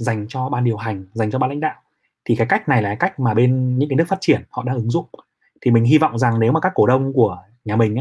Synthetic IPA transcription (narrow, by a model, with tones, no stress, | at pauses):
za˨˩jŋ̟t͡ɕɔ˧ɓaː˧nɗi˨˩əwɦa˨˩jŋ̟za˨˩ŋ̟t͡ɕɔ˧ɓaː˧la̰˧˥jŋ̟ɗa̰ː˧˨w | t̪ʰi˨˩kaː˨˦jka˦˥k̚na˨˩jlaː˨˩˦ka˦˥jk̟̚maː˨˩ɓe˧nɲɨ̰˧˥kaː˨˦nɨ˦˥əfaː˦˥t̚t͡ɕi˧˩ənhɔ̰˧˨ɗa̰ː˧˥ʔɨ˨˦ŋzʊ̰˧˨ŋ͡m | t̪ʰi˨˩mï˨˩ŋ̟ɦi˧vɔ̰˧˨wŋ͡mza˨˩ŋne˨˦wmaː˨˩kaː˦˥kːo˧˩ɗə˧wŋ͡mku˧˩ə | ɲaː˨˩mï˨˩ŋ̟ʔa˧˦˥